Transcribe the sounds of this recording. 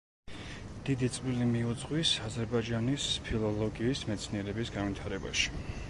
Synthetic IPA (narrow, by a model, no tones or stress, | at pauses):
d̪̥id̪it̪sʼvilimiud̪zʼʁwisazɛɾbad͡ʒanispʰilˠɔlˠɔɡiːsmɛt̪sʰniɛɾɛbisɡanvit̪ʰaɾɛba̰ʃi̥